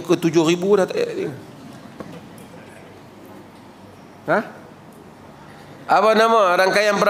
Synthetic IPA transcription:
kət̪ud͡ʒʊribudat̪a̰i | ha | aβanamaɾaŋkajaŋpəɾ

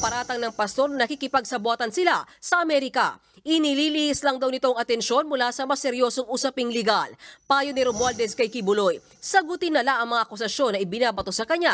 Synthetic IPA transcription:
pɐɾaːt̪ɐŋnɐŋpɐst̪o̞ɾnɐnɐkikɪpɐɡ̚sɐbwaːt̪ɐnsɪlasɐʔɐmɛɾɪkɐ̰ | ʔɪniliːlihɪslɐŋd̪ɐwnɪt̪oŋɐt̪ɛnʃo̞nmʊlasɐmɐsɛɾjo̞ːso̞ŋʔusɐpɪŋlɪɡalpaːjonɪɾomwald̪ɛskɐjkɪbʊloj | sɐɡʊt̪ɪnːɐlaŋʔɐŋmɐŋaʔɐkʊs̬ɐsjo̞nːɐʔɪbɪnaːbɐt̪o̞sɐkɐɲa

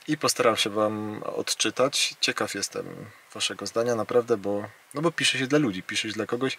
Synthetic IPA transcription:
ipɔst̪aɾafʂɘvamɔ̰t̪t͡ʂɘt̪at͡ɕt͡ɕɛkafjɛst̪ɛ̰m | vaʂɛɡɔzd̪aɲanapɾavd̪ɛbɔ | nɔbɔpʲiʂɛɕɛd̪lalud͡ʑipʲiʂɛɕd̪lakɔɡɔɕ

